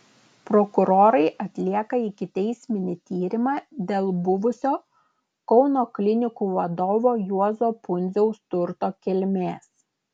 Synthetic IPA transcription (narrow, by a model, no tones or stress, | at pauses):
pɾɔkʊɾoːɾɐɪʔɐt̪ʲlʲiɛkɐɪkʲɪt̪ʲɛɪsʲmʲɪnʲɪt̪ʲiːɾʲɪmɑːd̪ʲeːlˠbʊʋʊsʲoː | kɒʊnoːklʲɪnʲɪkuʋɐd̪oːʋoːjuɔzoːpʊnʲzʲɛʊst̪ʊɾt̪oːkʲɪlʲmʲeːs